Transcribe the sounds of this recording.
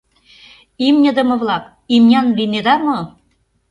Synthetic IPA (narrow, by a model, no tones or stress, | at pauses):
imnʲə̆d̪ə̆mɤ̆βlɑk | imnʲɑnlined̪ɑmɤ